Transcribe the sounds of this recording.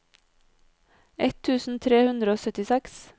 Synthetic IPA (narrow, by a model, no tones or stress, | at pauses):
ʔɛt̪ʰʉːsn̩t̪ʰɾeːhʉnd̪ɾəoːsœt̪ɪsɛks